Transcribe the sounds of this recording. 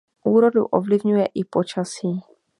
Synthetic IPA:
ʔuːɾo̞dṵʔo̰vlɪvɲujɛʔɪpo̞t͡ʃasiː

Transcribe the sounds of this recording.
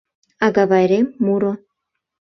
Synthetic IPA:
aɡaβajɾemuɾo

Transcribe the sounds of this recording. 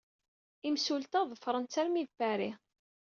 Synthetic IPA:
imsult̪ɑðˤəfɾˤənt͡sːæɾmiðfæɾi

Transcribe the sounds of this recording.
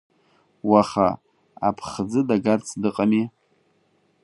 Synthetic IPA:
waχa̰ | a̰pʰχd͡zɨdaɡart͡sʰdɨqʼami

